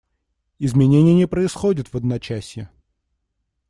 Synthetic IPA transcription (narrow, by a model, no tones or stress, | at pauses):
ɪzmʲɪnʲenʲɪjənʲɪjəpɾəɪsxodʲɪt̪vəd̪nɐt͡ɕæsʲjɪ